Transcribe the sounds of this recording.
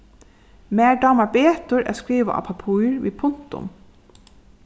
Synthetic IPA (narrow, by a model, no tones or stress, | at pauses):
meːɖɑːmɑbeːt̪ʊɾʔæ̰ːskɹiːʋə̰ʔɑ̰ːpʰɑpʰuːɹʋḭːpʰʊnt̪ʊ̰m